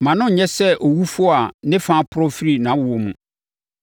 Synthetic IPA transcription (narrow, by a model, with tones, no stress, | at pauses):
mã˨nʊ̃˦˨ɲɛ̃˦sɛ˦ʔo˨wu˦fʊ˦a˨˦nɪ̃˦fã˦pʰʊ˦ɾɔ˦fi˦ɾi˨nã˨˦wʊ˨o˨mṵ̃˨